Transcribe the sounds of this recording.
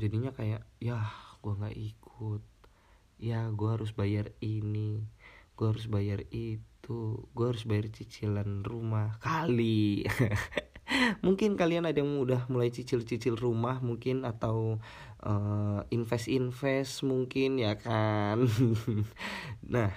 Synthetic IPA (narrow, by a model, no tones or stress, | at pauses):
d͡ʒadiɲakajaʔjahɡ̥uaŋɡa̰ʔikʰʊt̪̚ | jaɡuaɦaɾʊs̬bajariniɡ̥uaɦaɾʊs̬bajarit̪uɡuahaɾʊs̬bajart͡ʃit͡ʃilanrumahkali | muŋkɪnkalianadajaŋudahmulajt͡ʃit͡ʃɪlt͡ʃit͡ʃɪlrumahmuŋkɪnat̪aw | ʔəinfɛsinfɛsmuŋkɪnjakan | nah